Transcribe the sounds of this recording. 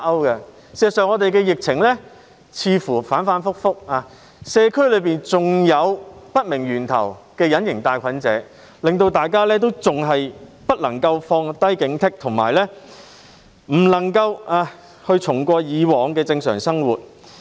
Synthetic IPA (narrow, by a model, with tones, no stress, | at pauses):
ɐ˥wkɐ˧ | ssœː˨˩ŋɔː˨˧t̪e˨jkɛː˧jɪ˨k̚t͡sʰɪ˨˩ŋlɛː˥ | t͡sʰiː˧fuː˨˩faː˨˥nfaː˨˥nfʊ˥k̚fʊ˥k̚aː˧ | sɛː˨˧kʰɵ˥jlɵ˨˧ɥpiː˨nt͡sʊ˨ŋjɐ˨˧wpɐ˥t̚mɪ˨˩ŋjyː˨˩nt̪ʰɐ̰˨˩wkɛː˧jɐ˨˥njɪ˨˩ŋt̪aː˨jkʰɐ˨˥nt͡sɛ̰ː˨˥ | lɪ˨ŋt̪̬o˧wt̪aː˨jkaː˥lɛː˥t̪̬o˥wt͡sʊ˨ŋɦɐ˨jpɐ˥t̚lɐ˨˩ŋkɐ˧wfɔː˧ŋt̪ɐ˥jkɪ˨˥ŋt̪ʰɪ˥k̚t̪ʰʊ˨˩ŋma̰ː˨˩jlɛː˥ | m̩˨˩lɐ˨˩ŋkɐ˧waː˧ | hɵ˧ɥt͡sʰʊ˨˩ŋkʷɔː˧jiː˨˧wɔː˨˧ŋkɛː˧t͡sɪ˧ŋsœː˨˩ŋsɐ˥ŋwuː˨˩t̚